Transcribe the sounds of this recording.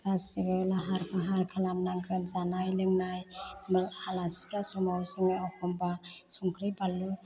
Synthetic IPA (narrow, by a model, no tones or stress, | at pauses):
kasiɡɯlaɦaɾpʰaɦaɾkʰalamnaŋɡɯnzanajlɯŋnajmɯlalasi̥pɾasumawsɯŋɯjawkʰɔmbasuŋkʰɾɯjbalːu